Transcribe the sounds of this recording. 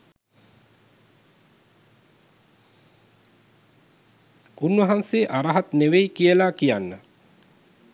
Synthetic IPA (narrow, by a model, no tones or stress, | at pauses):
unʋɐɦanseːʔaɾaɦat̪neʋejikijəlakijanːə